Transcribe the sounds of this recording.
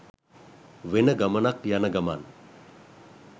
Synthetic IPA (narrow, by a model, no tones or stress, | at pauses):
ʋenəɡɐmənakjanəɡɐman